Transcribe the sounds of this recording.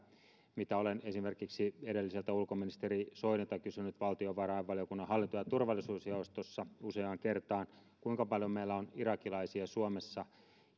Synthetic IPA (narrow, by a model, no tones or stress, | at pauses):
mit̪æolenesimerkiksieɾelːiselt̪æulkominist̪erisoinet̪ɑkysynyt̪ʋɑlt̪ioʋɑrɑiʋʋɑlijokunːɑɦɑlːint̪ojɑt̪urʋɑlːˑisuːsjɑust̪osːɑuseɑŋkert̪ɑːn | kuiŋkɑpɑljomeilːæonirɑkilɑisiɑsuomesːɑ